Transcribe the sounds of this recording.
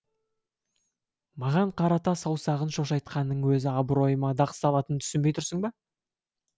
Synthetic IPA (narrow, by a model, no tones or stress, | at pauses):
mɑʁɑɴqʰɑɾɑt̪ɑsɑwsɑʁənʃo̞ʃɑjt̪̚qɑnːəɴwɵzɪɑbɾo̞jəmɑd̪ɑqə̥sɑlˠɑt̪ənt̪ʰʏ̥sɪnbe̞jt̪ʰʊɾsəɴbɑ